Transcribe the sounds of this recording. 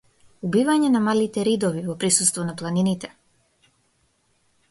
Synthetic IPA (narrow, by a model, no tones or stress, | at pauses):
ubivaɲɛnamalit̪ɛɾid̪ɔvivɔpɾisust̪vɔnaplˠaninit̪ɛ